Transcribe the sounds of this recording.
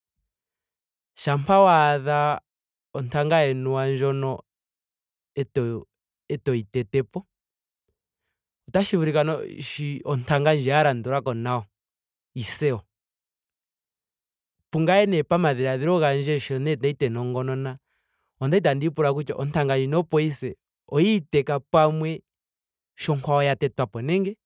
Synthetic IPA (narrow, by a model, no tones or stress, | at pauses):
ʃampʰawaða | ɔntaŋɡaɛnuwand͡ʒɔnɔ | ɛt | ɛtɔitɛtɛpɔ | ɔtaʃiβuɾikanɔ̰ʃiɔntaŋɡand͡ʒiaɾandɔɾakɔnaɔ | isɛɔ | puŋɡaɛnɛpamaðiɾaðiɾɔɣand͡ʒɛʃɔnɛnaitɛnɔŋɡɔnɔna | ɔndait̬andipuɾak̬ut͡ʃa̰ʔɔntʰaŋɡaɲd͡ʒinɔpɔisɛ | ɔitɛkapamwɛ | ʃɔŋkwaɔjatɛtwapɔnɛŋɡɛ